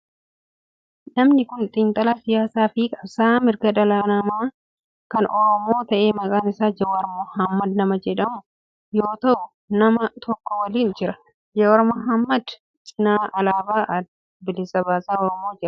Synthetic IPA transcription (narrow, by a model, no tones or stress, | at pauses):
nɐmnɪkʊnt̪ʼɪnt̪ʼɐlaːsɪjaːsaːfikʼɐbsaːmɪɾɡɐᶑɐlanɐmaː | kɐnʔɔɾɔmo̞ːt̪ɐʔe̞ːmɐkʼaːnɪsaːd͡ʒɐwɐɾmɔhɐmːɐd̪nɐmɐd͡ʒɛᶑɐmʊ | jo̞ːt̪ɐʔʊ | nɐmɐt̪ʰɔkːɔwɐliːnd͡ʒɪɾɐ | d͡ʒɐwɐɾmɔɦɐmːɐd̪ | t͡ʃʼɪnaːʔɐlaːbaːʔɐ | bɪlɪsɐbaːsaːɔɾɔmoːd͡ʒɪɾɐ̥